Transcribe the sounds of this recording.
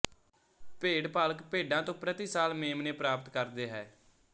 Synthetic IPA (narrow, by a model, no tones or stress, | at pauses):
peːɽpaːlkpeːɖãːt̪õːpɾət̪iːsaːlmeːmneːpɾaːpət̪kəɾd̪eːɦɛː